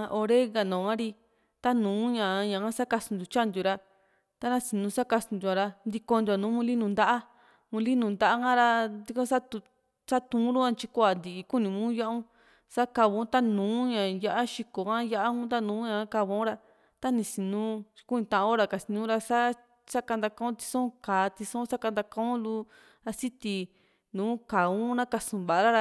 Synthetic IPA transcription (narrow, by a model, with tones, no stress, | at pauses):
ʔo˧ɾe˦ŋɡa˨nõ˨ã˦ɾi˧ | t̪a˦nũː˨˦ɲã˨˧ɲã˨kã˦sa˦ka˧su˧nd̪u˨t͡ʃa˦nd̪u˨˧ɾa˧ | t̪a˧nã˧si˧nũ˧sa˦ka˧sũ˧d̪u˧ã˧ɾa˧nd̪i˧ko˧nd̪u˧a˨nũː˨˦mũ˧li˦nũ˧nd̪a˦ʔa˦ | mũ˧li˦nũ˧˨nd̪a˦ʔa˦kã˦ɾa˧d̪i˧kõ˦sa˦t̪u˧ | sa˦t̪ũ˧˦ɾu˦ã˧t͡ʃi˧kʷa˨nd̪i˨ʔi˧ku˦nĩ˨mũː˦ja˦ʔũ˦ | sa˦ka˧βõ˧ũ˦t̪a˦nũː˨˦ɲã˨ja˧ʔa˦ʃi˧ko˨kã˦ja˦ʔa˦ũ˦t̪̬a˦nũː˨˦ɲã˧˦ka˧βo˧˦ũ˦ɾa˧ | t̪a˦nĩ˧si˧nũː˦˧ku˦nĩ˧t̪ã˧ʔã˧o˦ɾa˧˨ka˧˨si˧nũ˦ɾa˧sa˦ | sa˦ka˧nd̪a˧kã˧˦ũ˦t̪i̥˧sõ˦kaː˨˦t̪i˧sõ˦sa˦ka˧nd̪a˧kã˦ũ˦lu˧ | a˧si˦t̪i˧ | nũː˨˦ka˨ũ˦nã˦ka˧sũ˨βa˨a˧ɾa˦ɾa˧